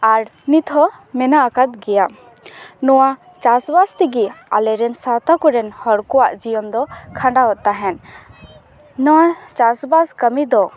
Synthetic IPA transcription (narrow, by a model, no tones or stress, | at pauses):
aɾnit̪ʰɦɔmɛnaʔakat̪̚ɡɛja | nɔwa | t͡ʃasbast̪iɡia̰lɛɾɛnsat̪akɔɾɛnhɔɽkɔwaʔd͡ʒijɔnd̪ɔkʰãɳɖawɔt̪aɦɛn | nɔwat͡ʃasbaskəmid̪ɔ